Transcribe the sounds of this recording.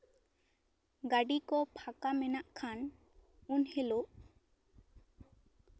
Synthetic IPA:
ɡaɖikɔpʰakamɛnaʔkʰan | unhɛloʔ

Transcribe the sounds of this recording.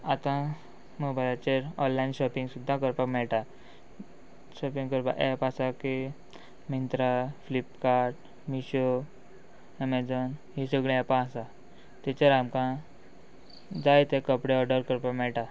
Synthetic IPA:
at̪ã | mubajat͡ɕeɾɔllajnɕɔpiŋɡsud̪ʱːãkəɾpakmɛɭʈa | ɕɔpiŋkəɾpa̰ʔɛpasaki | mint̪ɾaflipkaɾʈ̚ | miɕo | emɛd͡zɔnɦisəɡɭẽɛpãasa | t̪et͡ɕeɾamkã | d͡zajt̪ekəpɽeɔɖəɾkəɾpakmɛɭʈa

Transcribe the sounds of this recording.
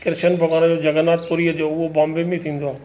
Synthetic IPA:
kɪɾʃənbʱɐɡaːɽ̃d͡ʑoːd͡ʑɐɡənaːt̪̚koɾiəd͡ʑoːʊɦobãːmbembĩt̪ʰĩːnd̪oaː

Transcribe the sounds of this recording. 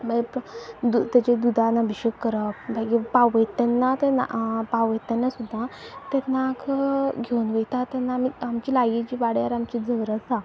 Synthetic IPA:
bajpd̪ut̪at͡ɕed̪ud̪ʱanəbʱiɕəkːəɾəpbʱaɡipawʋəjt̪ɛnːat̪ena̰pawʋəjt̪anːasud̪ʱːat̪ɛnakɡʱeunʋejt̪at̪ɛnːamiamt͡ɕiːlaɡit͡ɕiːʋaɽjaɾamt͡ɕid͡zəʋɾəsa

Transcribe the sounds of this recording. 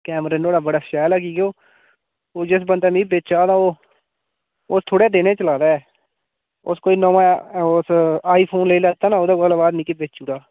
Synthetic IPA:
kɛːmɾeːnoːɽaːbəɽaːʃaːlaːkiːɡeoː | oːd͡ʒɪs̬bənd̪aːmĩːbeːt͡ʃaːd̪ãːoː | ʊst̪ʰoːɽeːd̪eːnẽːt͡ʃəlaːd̪aːɛː | ʊskoːiːnɔ̃ːmaosaːiːpʰoːnleːiːlɛːt̪aːnaoːd̪oːɡəlːbaːd̪nɪkebeːt͡ʃuːɽaː

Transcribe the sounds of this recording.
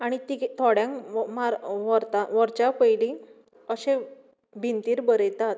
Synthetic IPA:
aɽ̃it̪iɡt̪ʰɔɽjãŋmaɾʋɔɾt̪aʋɔɾt͡ɕapəjlĩ | əɕẽ | bʱint̪iːɾbəɾəjt̪at̪

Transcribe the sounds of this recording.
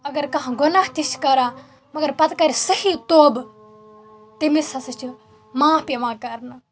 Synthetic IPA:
ɐɡɐɾkɐɦãɡʊnaɦt̪iʃkɐɾãː | mɐɡɐɾpɐt̪kɐɾʲsɐhit̪oːb | t̪imisɐsɨt͡ʃʰi | mãːpeʋãːkɐɾnɨ

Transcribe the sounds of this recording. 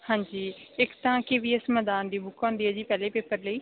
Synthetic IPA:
hãːɲd͡ʒiːɪkt̪ãːkɪʋiːɪsmɛːd̪aːnd̪iːbʊkʰɔ̃ːnd̪iːɛːd͡ʒiːpɛːleːpeːpəɾləiː

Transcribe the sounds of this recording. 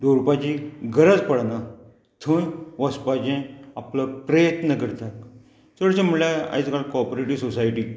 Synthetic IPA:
d̪oɾupat͡ɕiɡʱəɾəd͡zpəɽna | t̪ʰənʋəspad͡ʑẽapləpɾəjət̪nəkəɾt̪ak | səɽt͡ɕẽmulaa̰jt͡skaɭkɔpɾeʈiːsosajʈiː

